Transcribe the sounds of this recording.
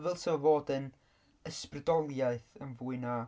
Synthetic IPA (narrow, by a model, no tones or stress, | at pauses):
vɛlˠsovoːdən | əsprədɔlˠjaɨθənvuːɨna